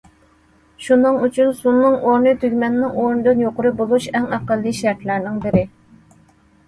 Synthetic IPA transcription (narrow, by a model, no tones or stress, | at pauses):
ʃunɨŋyt͡ʃʰynsunːɨŋʔoɾnɨt̪ʰyɡʲmɛnːɪŋoɾnɨd̪ɨnjoqʊɾɨbolˠuʃɛŋɑqəlˠːiʃɛɾt̪læɾnɪŋbɪɾɪ